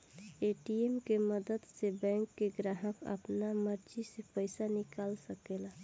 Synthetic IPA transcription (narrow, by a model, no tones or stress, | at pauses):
eʈiemkeməd̪əd̪sebɛ̃ːŋkːeɡɾaɦəkə̰pnaməɾd͡ʒisepəɪsanɪkaːlsəkela